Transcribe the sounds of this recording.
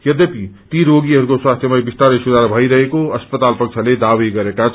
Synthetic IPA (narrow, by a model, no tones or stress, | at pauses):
jʌd̪ʌpit̪iɾoɡiɦʌɾukoswast̪ʰjʌmabist̪aɾesud̪aɾbʱʌjɾʌɦekoʌspʌt̪alpʌk̚t͡sʰʌled̪abiɡʌɾekat͡sʰ